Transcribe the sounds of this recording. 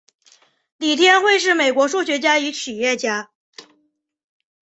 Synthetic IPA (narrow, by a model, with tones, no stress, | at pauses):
li˨˩t̪ʰjɛ˥nxwe˥˧ɪʂ̬ɻ̩˥˩me˨˩ɪkwɔ˧˥ʂu˥˩ɕɥɛ˧˥t͡ɕja˥y˧˥t͡ɕʰi˨˩jɛ˥˩t͡ɕja˥